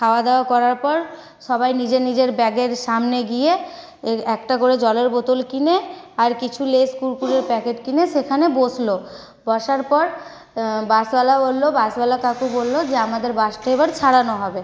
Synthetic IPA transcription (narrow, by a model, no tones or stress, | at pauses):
kʰaoad̪eoakɔɾaɾpɔɾ | ʃɔbajnid͡ʑenid͡ʑeɾbɛɡeɾʃamneɡije | ɛkʈakoɾed͡ʑɔleɾbot̪olkineaɾkit͡ɕʰuleskuɾpuɾeɾpɛkeʈkineʃekʰanebod͡ʑlo | bɔʃaɾpɔɾ | basbalabolːobasbalakakubolːod͡ʑeamad̪eɾbaʃʈejbaɾt͡ɕʰaɽanoɦɔbe